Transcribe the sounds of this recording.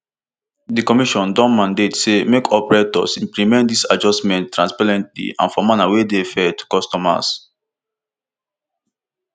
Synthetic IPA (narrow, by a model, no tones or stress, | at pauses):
dikɔmiʃɔ̃ndɔ̃nmãndetsemekʰɔpɛɹetɔ̰sĩmplimɛ̃nt̚disad͡ʒɔstmɛ̃ntːɹãnspaɹɛ̃ntlḭã̰nfɔmanawedefɛtkɔstɔma̰s